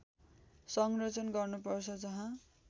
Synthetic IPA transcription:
sʌŋrʌt͡sʌnɡʌrnupʌrt͡sʰʌd͡zʌɦã

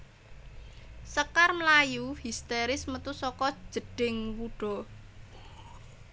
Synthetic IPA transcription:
səkarməlajuhist̪eɾɪsmət̪usɔkɔ̥ʒ̥ə̤ɖ̥ɪŋwuɖ̥ɔ̤

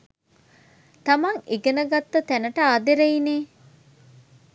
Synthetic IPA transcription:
t̪ɐmaŋeɡenəɡat̪ːɐt̪ænəʈəaːd̪eɾeineː

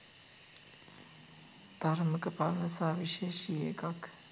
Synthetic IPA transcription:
d̪̥aɾməkəpalnəsaːʋiʃeːʃiḛkak

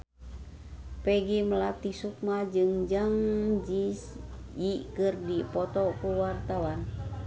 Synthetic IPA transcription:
pɛɡimlat̪isuk̚mad͡ʒɨŋd͡ʒaŋd͡ʒisjikɨrdipɔt̪ɔkuwart̪awan

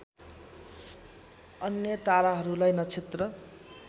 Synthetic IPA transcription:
ʌnjʌt̪aɾaɦʌɾulajnʌt͡sʰit̪rʌ

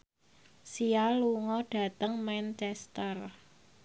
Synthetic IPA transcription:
sialuŋɔɖ̥ä̤t̪əŋmant͡ʃɛst̪ər

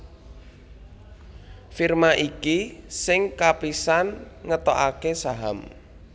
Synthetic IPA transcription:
firmaʔikisɪŋkapisanŋət̪ɔʔakesaɦam

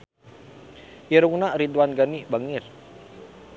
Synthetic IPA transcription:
jiɾuŋnaɾit̪uwanɡanibaŋɪr

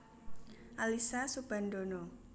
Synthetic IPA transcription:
ʔalisasub̥a̤nd̪onɔ

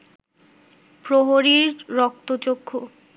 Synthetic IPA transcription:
pɾoɦoɾiɾːɔk̚t̪ot͡ɕokʰːo

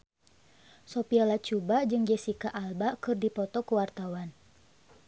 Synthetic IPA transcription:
sɔpialat͡ʃubad͡ʒɨŋd͡ʒɛsikaʔalbakɨrdipɔt̪ɔkuwart̪awan

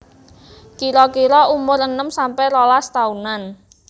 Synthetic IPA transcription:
kiɾɔkiɾɔumʊɾənəmsampɛlɔlast̪aunan

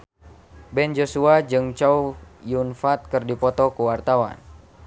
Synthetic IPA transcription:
bɛnd͡ʒosuad͡ʒɨŋt͡ʃaujunfat̪̚kɨrdipɔt̪ɔkuwart̪awa̰n

